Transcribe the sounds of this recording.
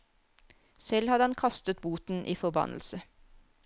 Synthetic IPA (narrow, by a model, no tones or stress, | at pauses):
sɛlhɑd̪əɑnkʰɑst̪ət̪buːt̪n̩ʔiːfɔʁbɑ̰nʔl̩sə